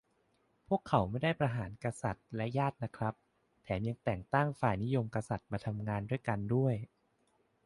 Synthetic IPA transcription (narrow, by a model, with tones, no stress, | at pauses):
pʰu˥˩əkʰːa˩˦wma˥˩jda˥˩jpɾa˧ɦaː˩˦nka˧sa˨˩t̪̚lɛ˦˥jaː˥˩t̪̚na˦˥kʰɾa˦˥p̚ | t̪ʰɛː˩˦mja˧ŋt̪ɛː˨˩ŋt̪a˥˩ŋfaː˨˩jni˦˥jo˧mka˧sa˨˩t̪̚maː˧t̪ʰa˧mŋaː˧ndu˥˩əjka˧ndu˥˩əj